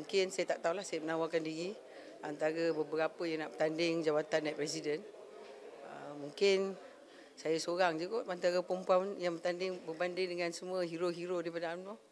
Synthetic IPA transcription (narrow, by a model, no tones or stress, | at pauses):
muŋkɪnsajat̪aʔt̪aulahsajamənawakandiɣi | ant̪aɾəbəbəɾapəjaŋnaʔbət̪andɪŋd͡ʒawat̪anːajpɾɛs̬idən | əmuŋkɪn | sajasoɾaŋd͡ʒuɡoʔant̪aɾəpəmpuawjaŋbərt̪andɪŋbərbandɪŋdəŋansəmuəɦiɾoɦiɾodaipadaamnu